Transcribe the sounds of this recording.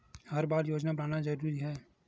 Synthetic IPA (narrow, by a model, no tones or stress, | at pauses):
ɦɐɾbaːɾjoːd͡ʒnapɐɾaːnad͡ʒəɾuːɾiɦɛː